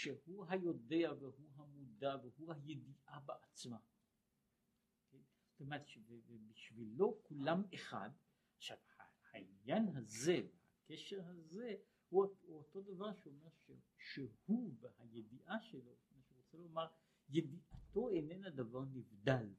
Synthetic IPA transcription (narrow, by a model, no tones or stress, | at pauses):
ʃehuɦajo̞de̞aveɦuɦamud̪avehuhajed̪iʔabeʔat͡sma | ke | t̪omet̪ʃevevebiʃvilo̞kulameχa̰d̪ | aʃavhahainjanɦaze̞vehakeʃeʁhaze̞ | huuoto̞d̪avaʁʃeomeʁʃe | ʃehubehajed̪iʔaʃelo̞maʃeʁot͡selomaʁ | jed̪iʔat̪o̞enenad̪avaʁnivd̪al